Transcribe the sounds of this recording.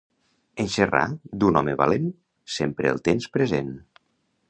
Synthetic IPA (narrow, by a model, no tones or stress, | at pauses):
ənʲʃera̰d̪unɔməβa̰len | sempɾə̰ːlˠt̪emspɾəzen